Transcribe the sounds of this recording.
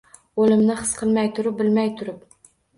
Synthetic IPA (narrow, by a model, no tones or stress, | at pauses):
olˠɪmnɪχɨ̥sqʰəlˠmɛjt̪ʰʊɾʊp̚bɪlmæjt̪ʰʊɾʊp̚